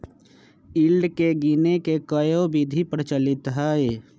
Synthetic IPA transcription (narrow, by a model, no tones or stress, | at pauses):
ɪlɖkeɡinekekəjobid̪ʱipəɾt͡ʃəlɪt̪ɦae